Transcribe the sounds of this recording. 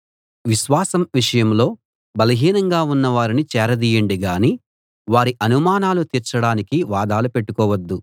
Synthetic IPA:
ʋiʃʋaːsɐmʋiʂɐjɐmlo̞ː | bɐlɐɦiːnɐŋɡaːunːɐʋaːɾinit͡ʃɛːɾɐd̪iːjɐɳɖiɡaːniː | ʋaːɾiʔɐnumaːnaːlut̪iːɾt͡ʃɐɽaːnikiʋaːd̪aːlupe̞ʈːukɔːʋɐd̪ːu

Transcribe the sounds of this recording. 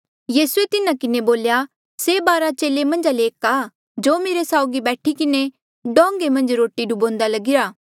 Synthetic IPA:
jiːsuet̪ɪnãkɪneboːlja | seːbaːɾat͡ʃeːlemɐ̃nd͡ʒaleːkaː | d͡ʒoːmeːɾesaːʊɡibɛːʈʰikɪne | ɖɔ̃ːŋɡemɐ̃nd͡ʒɾoːʈiɖubõːnd̪alɐɡɪɾaː

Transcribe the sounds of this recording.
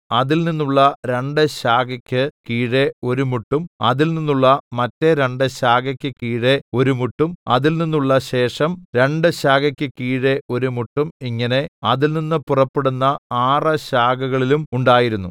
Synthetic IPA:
ɐðilninːuɭːɐɾe̞ɳɖɨɕaːɡɐkʲːɨkiːɻeo̞ɾumuʈːumɐðilninːuɭːɐmɐtːe̞ɾe̞ɳɖɨɕaːɡɐkʲːɨkiːɻe̞o̞ɾumuʈːumɐ̰ðilninːuɭːɐɕe̞ːʂɐmɾe̞ɳɖɨɕaːɡɐkʲːɨkiːɻe̞ʔo̞ɾumuʈːumiŋːɐne̞ɐðilninːɨpurɐpːeɽunːɐaːrɐɕaːɡɐɣɐɭilumuɳɖaːjiɾunːu

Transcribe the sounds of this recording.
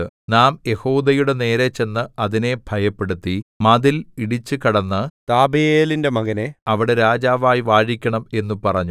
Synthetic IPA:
ɨnaːmje̞hoːd̪ɐjuɽe̞ne̞ːɾet͡ɕːe̞nːɨɐðine̞b̥ʱɐjɐpːe̞ɽut̪ːimɐðiliɽit͡ɕːɨkɐɽɐnːɨt̪aːbɐjeːlinde̞mɐɣɐneɐʋiɽe̞ɾaːd͡ʑaːʋaːjiʋaːɻikʲːɐɳɐme̞nːupɐrɐɲːu

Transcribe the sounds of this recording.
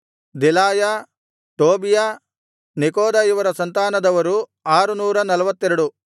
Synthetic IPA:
d̪elaːja | ʈoːbija | nekoːd̪ajuʋɐɾɐsɐnt̪aːnɐd̪ɐʋɐɾuaːɾunuːɾɐnɐlɐʋɐt̪ːeɾuɽu

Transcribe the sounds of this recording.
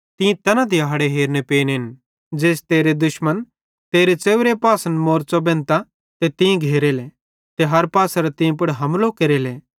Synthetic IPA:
t̪ɪ̃ĩt̪ɐnãd̪iɐɦɐɽeɦeːɾnepeːnɦɪn | d͡ʒeːst̪eːɾed̪ʊʃmən | t̪eːɾet͡seːʋɾepaːsənmoːɾt͡sobɛ̃ːnt̪a | t̪et̪ɪ̃ĩɡʱeːɾele | t̪eɦɐɾpaːsɐɾat̪ɪ̃ĩp̬ʊɽɦɐmloːkeɾeleː

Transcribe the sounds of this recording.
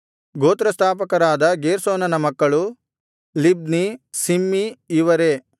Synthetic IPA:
ɡoːt̪ɾɐst̪ʰaːp̬ɐkɐɾaːd̪ɐɡeːɾsoːnɐnɐmɐkːɐɭu | lib̚nisimːiːʋɐɾe̞

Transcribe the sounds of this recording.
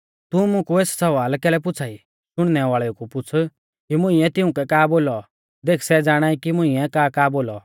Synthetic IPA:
t̪umʊ̃kueːssɐʋaːlkɛːlɛp̬ʊt͡sʰaːi | ʃʊɽ̃nɛʋaːɭɛukupʊt͡sʰ | kimʊ̃ĩɛt̪ɪʊ̃kɛkaːboːlɔ | d̪eːkʰsɛd͡zaːɽ̃aːikimʊ̃ĩɛkaːkaːboːlɔ

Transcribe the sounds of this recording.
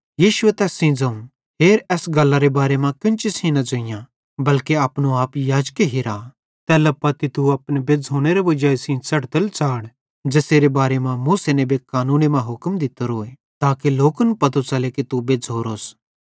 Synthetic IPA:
jiːʃʊet̪ɛːsĩːd͡zɐũ | ɦeːɾɛːsɡɐlːaɾebaːɾemãkɪ̃nt͡ʃɪsĩnɐd͡ʒoɪjã | bɐlkeaːpnoaːpjaːd͡ʒkeɦɪɾaː | t̪ɛːlɐpːɐt̪it̪uɐpnebed͡zɦoːɽ̃eɾeʋɐd͡ʒaːesĩsɐʈt̪əlt͡ʃaːɽ | d͡ʒeːseːɾebaːɾemãmuːsenebʱekaːnũːnemãɦʊkmd̪ɪt̪oɾoːe | t̪aːkeloːkənpɐt̪ot͡ʃalekit̪ubed͡zɦoːɾoːs

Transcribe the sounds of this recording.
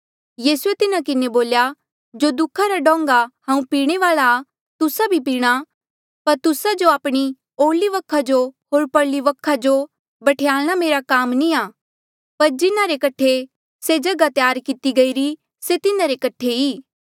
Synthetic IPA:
jiːsuet̪ɪnakɪneboːlja | d͡ʒod̪ʊkʰːaɾaɖɔ̃ːŋɡahãːũpiːɽ̃eʋaːɭa | t̪ʊsabʱipiːɽ̃a | pɐɾt̪ʊsad͡ʒoaːpɽ̃i | oːliʋɐkʰːad͡ʒoɦoːɾpɐɽliʋɐkʰːad͡ʒo | bɐʈʰejaːlɽ̃ameːɾakaːmnĩaː | pɐɾd͡ʒɪnaɾekɐʈʰe | sed͡ʒɐɡat̪jaːɾkɪt̪iɡɐiɾi | set̪ɪnaɾekɐʈʰeiː

